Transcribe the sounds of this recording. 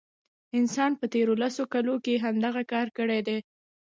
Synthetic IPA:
ɪnsɑnpət̪eɾolasokalokeɦamd̪aɣakɑɾkəɽed̪e

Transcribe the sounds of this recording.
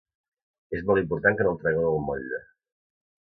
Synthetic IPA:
ezmɔlˠimpuɾt̪aŋkənolˠt̪ɾɛɣewəlˠmɔʎə

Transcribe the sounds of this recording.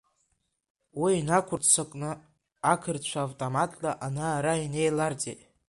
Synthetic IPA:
wiːnakʷʰʊrt͡sʰakʼnɨ | akʰɨrt͡ɕʷʰaːvtʼomatʼlaʔanaːɾaine̞jlart͡sʼḛtʼ

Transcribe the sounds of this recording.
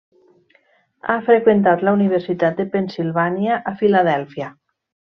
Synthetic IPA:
a̰fɾekwent̪at̪launiβeɾsit̪at̪̚d̪epensilβanjaʔafilaðɛlˠfja

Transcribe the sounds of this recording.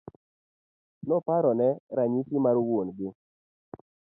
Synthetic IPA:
nɔpaɾɔnɛɾaɲitimarwonɡɪ

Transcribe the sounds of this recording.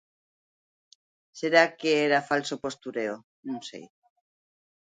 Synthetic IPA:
seɾakeeɾafalsopo̞st̪uɾeo | nũŋsḛj

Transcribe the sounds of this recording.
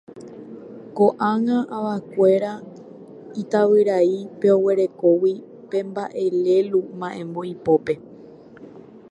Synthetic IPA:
ko̞ʔãŋãʔaʋakʷe̞ɾa | it̪aʋɨɾaipe̞o̞we̞ɾe̞ko̞wi | pẽ̞mbaʔe̞le̞lumãʔẽ̞mbo̞ipo̞pe̞

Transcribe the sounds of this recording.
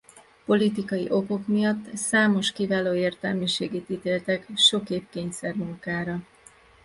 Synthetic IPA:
po̞lit̪ikɒjḭʔo̞ko̞kmijɒt̪ːsaːmo̞ʃkivaːloːeːrt̪ɛlmyʃeːɡeːt̪it̪eːlt̪ɛkʃo̞keːp̚keːɲsɛrmuŋkaːɾɒ

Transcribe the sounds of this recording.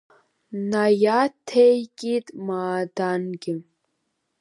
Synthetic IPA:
najatʰejɡʲʼitʼmaːdanɡʲɪ

